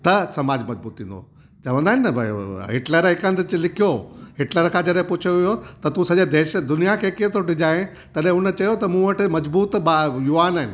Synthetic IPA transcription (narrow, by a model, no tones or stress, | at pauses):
t̪ɐsɐmaːd͡ʑmɐd͡ʑbuːt̪ĩːnd̪o̰ | t͡ɕɐʋə̃nd̪aɦɪnbɦɪʈləɾɦɪkə̃nt̪t͡ɕlɪkʰijoɦɪʈləɾkʰãːd͡ʑɐɗɦẽpʊt͡ʃʰoʋijot̪ɐt̪ũsɐʄed̪eːʃd̪ʊnijakʰeːkiẽt̪ʰoʈɪd͡ʑaːẽ | t̪ɐɗɦẽɦʊnət͡ɕɐjot̪ɐmũʋəʈɪ̆mɐd͡ʑbuːt̪ɓajuʋaːnaːɦɪnɪ̆